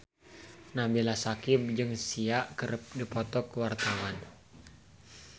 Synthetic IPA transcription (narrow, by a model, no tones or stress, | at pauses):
nambilasakib̚d͡ʒɨŋsiaʔkəɾp̚dipɔt̪ɔkəwart̪awan